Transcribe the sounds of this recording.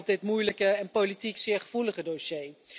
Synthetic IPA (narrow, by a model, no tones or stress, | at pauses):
p̚dɪtmujləkəɛnpolitiksɪːɹχəv̥uləχədoʃej